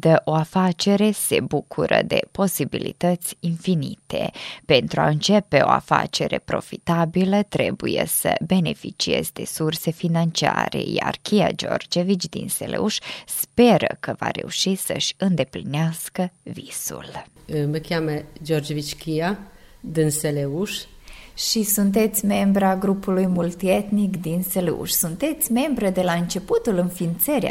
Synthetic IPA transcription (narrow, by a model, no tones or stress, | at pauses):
d̪əʔo̞afat͡ʃe̞ɾe̞se̞bukʰuɾəd̪e̞po̞sibilḭt̪ət̪sʲinfinit̪ʰe̞pe̞nt̪ɾua̰ɨnt͡ʃe̞pe̞o̞̰a̰fa̰t͡ʃe̞ɾe̞pɾo̞fit̪abilət̪ɾe̞bujḛsəbe̞ne̞fit͡ʃie̞zd̪e̞surse̞finant͡ʃia̰ɾe̞̰ja̰rkʲijad͡ʒo̞rd͡ʒevit͡ʃʲd̪ḭnselʔeuʃspe̞ɾəkəvaɾe̞uʃisəʃʲɨnd̪e̞plineaskəvisṵlməkʲaməd͡ʒord͡ʒevit͡ʃkʲijad̪ɨnseleuʃ | ʃisunt̪̬e̞t̪sʲme̞mbɾaɡɾupulujmult̪iet̪nikd̪inseleṵʃsunt̪e̞t̪sʲme̞mbɾəd̪e̞laɨnt͡ʃe̞put̪ulɨnfint̪səɾʲa̰